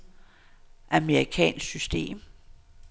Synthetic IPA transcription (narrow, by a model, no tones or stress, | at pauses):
ʔæməʁikʰɛ̰ːnssysd̥e̝̰ːm